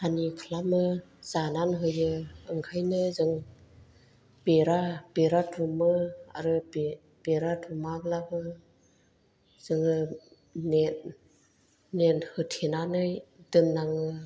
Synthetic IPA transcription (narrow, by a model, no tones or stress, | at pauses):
anikʰlamɯ | zananɦɯjɯɯŋkʰajnɯzɯŋ | beɾabeɾatɾumɯa̰ɾɯbe | b̥eɾadumaɡlabɯ | z̥ɯŋɯ | net | nenhɯtʰenanɯjdɯmnaŋɯ